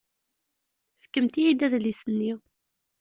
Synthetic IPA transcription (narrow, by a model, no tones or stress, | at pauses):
fə̥kːəmt̪ijid̪æðlisənːi